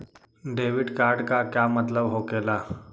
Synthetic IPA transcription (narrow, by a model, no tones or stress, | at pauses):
ɖeʋiɖkaɾɖkakjamət̪ləbɦokela